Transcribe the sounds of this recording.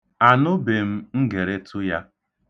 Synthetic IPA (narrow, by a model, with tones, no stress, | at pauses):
a˨nʊ˦be˨m̩˦ŋ̩˦ɡe˨ɾe˦tʰʊ˦ja˦